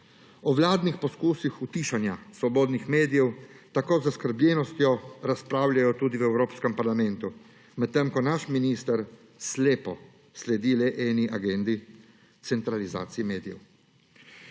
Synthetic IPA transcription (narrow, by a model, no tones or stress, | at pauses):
ɔʋlaːd̪nixpɔskuːsixut̪iːʃanjasʋɔboːd̪nixmeːd̪ijɛwt̪akoːzaskəɾblʲɛnɔst̪jɔɾaspɾaːwlʲjajɔt̪uːd̪iwɛwɾoːpskɛmpaɾlamɛnt̪u | mɛt̪ːɛmkɔnaʃminist̪əɾ | sleːpɔ | slɛd̪ilɛʔɛːniʔaɡend̪i | t̪sɛnt̪ɾaliza̰ːt̪siɛmeːd̪ijɛ̰w